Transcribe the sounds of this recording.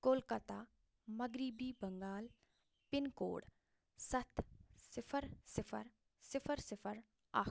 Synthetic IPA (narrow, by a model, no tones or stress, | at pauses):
ɡoːlkət̪aː | mɐɡɾibiːbɐŋɡaːl | pɪnko̰ːɽ | sɐt̪ʰsɪpʰəɾsɪpʰə̰ɾ | sɪpʰəɾsɪpʰəɾ | a̰ː